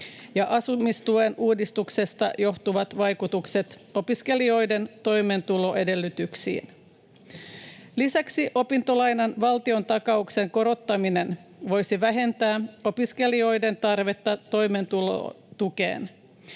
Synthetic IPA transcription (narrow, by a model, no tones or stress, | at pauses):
jɑʔɑsumist̪uenuːdist̪ukse̞st̪ɑjo̞ht̪uʋɑt̪ʋɑjkut̪ukse̞t̪ | o̞piske̞lio̞jde̞nt̪o̞jmeːnt̪ulo̞ʔe̞de̞lːyt̪yksḭːn | lisæksiʔo̞pint̪o̞lɑjnɑnʋɑlt̪io̞nt̪ɑkɑukse̞ŋko̞ɾo̞t̪ːɑmine̞nʋo̞jsiʋæɦe̞nt̪æːo̞piske̞lio̞jde̞nt̪ɑrʋe̞t̪ːɑt̪o̞jment̪ulo̰ | t̪uke̞̰ːn